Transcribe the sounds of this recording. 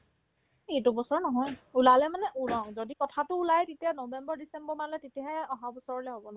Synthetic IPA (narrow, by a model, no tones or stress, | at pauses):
etubɔsɔɹnɔɦɔjulalɛmanɛʔulɔʊ̃zodikɔtʰatʊːlajtetianobɛmbɔɹdisɛmbɔɹmalɛtetijaɦɛɔɦabɔsɔɹɔlɛɦobɔnɔ